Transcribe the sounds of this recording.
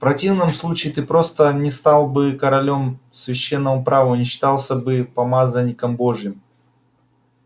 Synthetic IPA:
ffpɾɐtʲivnəmslˠut͡ɕɪːt̪ɨpɾo̞st̪ənʲɪst̪alˠbɨkɐɾɐlʲo̞msvʲɪɕːenːəmʊpɾavənʲɪɕːɪ̥t̪alˠsʲəbɨpɐmazənʲːɪkəmbo̞ʐjɪm

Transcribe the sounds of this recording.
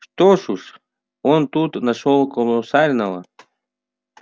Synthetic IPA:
ʂt̪oʂuʂ | ont̪ut̪naʂolˠkolˠɔsalʲnəvə

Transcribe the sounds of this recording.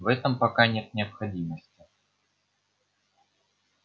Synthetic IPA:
vɛt̪əmpɐkanʲet̪̚nʲɪɐpxɐd͡zʲiməsʲtʲɪ

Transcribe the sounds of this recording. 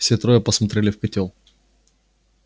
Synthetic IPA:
fsʲet̪ɾojəpəsmɐt̪ɾʲelʲɪfkɐtʲolˠ

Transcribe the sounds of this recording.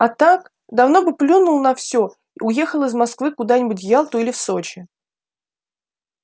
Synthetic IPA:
ɐt̪ak | d̪ɐvno̞bɨplʲunʊlˠnɐfsʲo | iʊje̞xəlˠɨzmɐskvɨkʊd̪anʲɪbʊtʲjalˠt̪ʊilʲɪfsot͡ɕɪ

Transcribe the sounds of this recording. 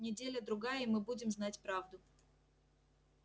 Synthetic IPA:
nʲɪdʲelʲəd̪ɾʊɡajəimɨbudʲɪmznatʲpɾavd̪ʊ

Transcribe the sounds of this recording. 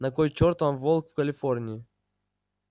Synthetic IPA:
nɐkojt͡ɕort̪vamvolˠkfkɐlʲɪfornʲɪɪ

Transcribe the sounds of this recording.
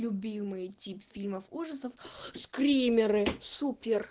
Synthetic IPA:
lʲʊbʲimɨjtʲipfʲilʲməfuʐəsəfskɾʲimʲɪɾɨsupʲɪr

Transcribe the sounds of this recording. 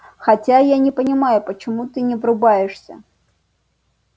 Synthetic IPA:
xɐtʲajanʲɪpənʲɪmajʊpət͡ɕɪmut̪ɨnʲɪvrʊbajɪʂsʲə̰

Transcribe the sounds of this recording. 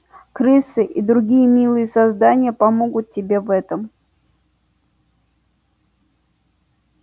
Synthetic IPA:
kɾɨsɨʔid̪ɾʊɡʲijəmʲilˠɨjəsɐzd̪anʲɪjəpɐmo̞ɡʊt̪̚tʲɪbʲe̞vɛt̪əm

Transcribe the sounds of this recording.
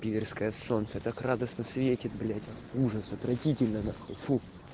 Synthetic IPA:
pʲivʲɪrskəjəsont̪sət̪akrad̪əsnəsvʲetʲɪt̪̚blʲætʲɐ | uʐəsɐt̪ɾɐtʲitʲɪlʲnənɐxɐlˠfu

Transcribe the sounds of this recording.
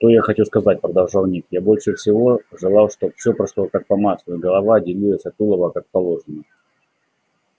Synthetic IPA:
ʂt̪o̞jaxɐt͡ɕuskɐzat̚ʲpɾəd̪ɐlˠʐalˠnʲikjabo̞lʲʂɨfsʲɪvo̞ʐɨlˠɑlˠʂt̪ofsʲɵpɾɐʂlˠokak̚pɐmaslʊɡəlˠɐvadʲɪlʲijəsʲɐt̪ulˠəvəkak̚pɐlˠo̞ʐɨnə

